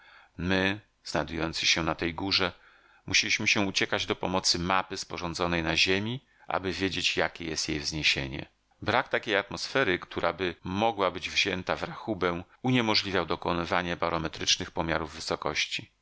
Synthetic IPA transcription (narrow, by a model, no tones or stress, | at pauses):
mɘ | z̥najd̪ujɔnt̪sɘ̥ɕɛnat̪ɛjɡuʐɛ | muɕelʲiɕmɘɕɛut͡ɕɛkad͡ʑd̪ɔpɔmɔt̪sɘmapɘspɔʐɔnd̪zɔnɛjnaʑemʲi | ʔa̰bɘvʲjed͡ʑet͡ɕjakʲejɛst̪jejvzɲeɕḛɲɛ̰ | bɾakt̪akʲejat̪mɔsfɛɾɘkt̪ʰuɾʔa̰bɘmɔɡwabɘd͡ʑvʑɛnt̪avɾaxubɛ̃w̃ | uɲemɔʐlʲivʲjawd̪ɔkɔnɪvaɲɛbaɾɔmɛt̪ɾɘt͡ʂnɘxpɔmʲjaɾuvːɘsɔkɔɕt͡ɕi